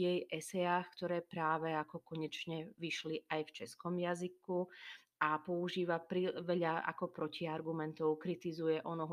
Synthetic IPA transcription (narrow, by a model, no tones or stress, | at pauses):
jɛjʔɛsɛjaːxkt̪ɔɾɛːpɾaːʋɛakɔkɔɲɛt͡ʃɲɛʋiʃliʔajft͡ʃɛskɔmjaziku | apɔuʒiːʋapɾiʋɛʎaa̰kɔpɾɔciaɾɡumɛnt̪ɔʊkɾit̪izujɛʔɔnɔɦ